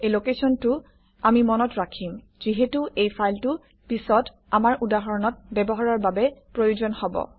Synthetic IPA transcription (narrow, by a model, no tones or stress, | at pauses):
elokesɔntʊ | amimɔnɔtɹakʰim | z̥iɦetuʔejpʰajltʊ | pisɔt | amaɹʔudaɦɔɹɔnɔt̚bɛbɔɦaɹaɹbabɛpɹojozɔnhɔbɔ̰